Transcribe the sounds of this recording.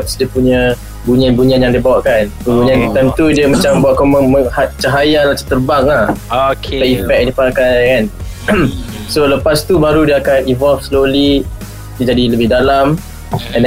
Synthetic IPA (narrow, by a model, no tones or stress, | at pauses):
psdiəpuɲə | buɲianbuɲianjaŋdiəbawaʔkansəbuɲiant̪amt̪udiəmãt͡ʃambaaʔkɔməməhat͡ʃaɦajalat͡ʃə̥t̪ərbaŋlahokaifɛk̚difakajkan | soləpast̪ubaɾudiəakanivɔlfsloli | did͡ʒadiləbɪhdalam | ɛn